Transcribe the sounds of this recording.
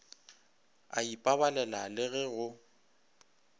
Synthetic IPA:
a̰ipʼabalɛlalɪɣɛɣʊ

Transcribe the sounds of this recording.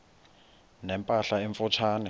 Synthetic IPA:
nɛmpʼaɬaeɱfʊt͡ʃʰaːnɛ

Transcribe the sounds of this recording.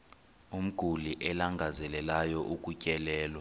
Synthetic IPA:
um̩ɡ̥ʱuliʔɛlaŋɡʱazɛlɛlajɔʔuk̬ʼucʼɛlɛːlwa

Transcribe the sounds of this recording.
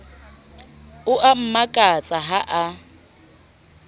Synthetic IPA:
ʊʔam̩makʼat͡sʼaɦaʔa

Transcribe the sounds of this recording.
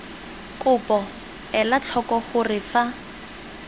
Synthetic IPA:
kʼʊpɔ | ɛlat͡ɬʰɔkɔχʊrɪfa

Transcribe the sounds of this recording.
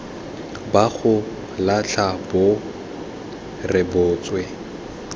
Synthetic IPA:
baχʊ | laɬʰabʊ | rɪbʊːt͡swɛ

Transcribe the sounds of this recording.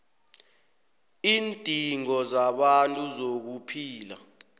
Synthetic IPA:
iːntʼiŋɔzaɓantʼuzok̬upʰiːla̰

